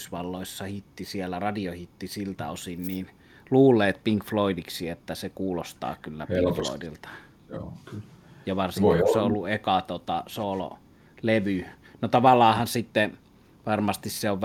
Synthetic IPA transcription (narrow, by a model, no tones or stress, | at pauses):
sʋɑlːoˑisːɑhit̪ːisielːærɑdiohit̪ːisilt̪æosinniːn | luːlːˑeːt̪̚piŋkfloidiksiet̪ːæsekuːlost̪ɑ̰ːkylːæ̰pflo̰ˑidilt̪ɑ̥ | jɑʋɑrsiŋkuseolːuʔekɑt̪ot̪ɑsoːlo̰ | leʋynot̪ɑʋɑlːˑɑːhɑnsit̪ːe | ʋɑrmɑst̪isseoʋʋ